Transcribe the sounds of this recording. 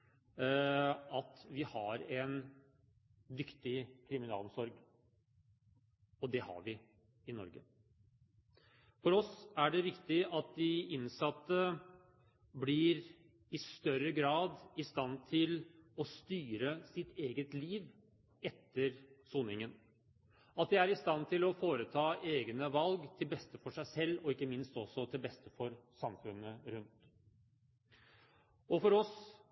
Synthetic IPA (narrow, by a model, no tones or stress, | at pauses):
ɑt̪ʋɪhɑɾɛn | d̪ʏkt̪ɪkʰɾɪmɪnɑ̰ːlsɔɾɡ | ɔd̪ɛhɑ̰ɾʋɪ | ɪnɔ̰ɾɡə̰ | fɔɾɔsæɖɛʋɪkt̪ɪʔɑt̪̚d̪ɪɪnsɑt̪ːə | blɪɾ | ɪst̪œɾəɡɾɑːd̪ɪst̪ɑnt̪ʰɪlɔst̪yːɾəsɪt̪eːɡət̪liːʋ | ɛt̪ːəɾsuːnɪŋən | ɑt̪̚d̪ɪæɾɪst̪ɑnt̪ʰɪlɔfoːɾət̪ʰɑːʔeːɡnəʋɑlɡt̪ʰɪlbɛst̪əfɔʂæɪsɛlːɔɪkːəmɪnst̪ɔsːɔt̪ʰɪlbɛst̪əfɔɾsɑmfʉnːəɾʉnt̪ | ɔfɔɾɔs